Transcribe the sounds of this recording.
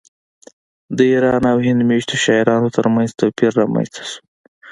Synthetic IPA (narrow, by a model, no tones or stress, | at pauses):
d̪əiɾɑnawɦɪnd̪meʃt̪oʃɑɪɾɑnot̪əɾmanzt̪awpiɾːɑma̰nst̪ḁsu̥